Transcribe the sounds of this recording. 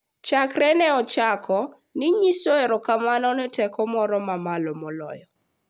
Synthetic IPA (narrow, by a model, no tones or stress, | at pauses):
t͡ʃakɾɛnɛɔt͡ʃakʰɔ | nɪɲisoɛɾɔkamanɔnɛtɛkɔmɔɾɔmamalɔmɔlɔ̰jɔ